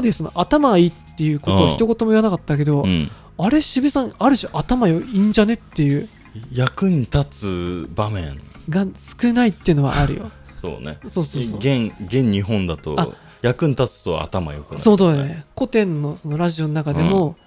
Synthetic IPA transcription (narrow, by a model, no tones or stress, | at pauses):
ad̪esono̞̰ʔat̪amaɡaiːt̪ːe̞jɯ̟ko̞t̪oaçit̪o̞ko̞t̪o̞mo̞iβanakat̪ːak̬e̞d̪o̞ | aɾe̞ɕibɯsãŋaɾɯ̟ɕaʔat̪amajoĩɲ̟d͡ʑane̞t̪ːe̞jɯ̟ː | jakɯ̟ɲ̟it̪at͡sɨbamẽ̞̰ɴ | ɡasɨ̥kɯ̟nait̪ːe̞iɯ̟no̞βa̰ʔaɾɯ̟̰jo̞̰ | so̰ːnḛso̞ːsoːsoɡẽŋɡẽ̞ɲ̟ɲiɦõ̞nd̪at̪o̞̰a | jakɯ̟ɲ̟it̪at͡sɨ̥t̪o̰a̰t̪ama̰jo̰kɯaso̞ːsoːneko̞t̪ẽ̞nːo̞so̞no̞ɾaʑio̞nonakad̪e̞mo̞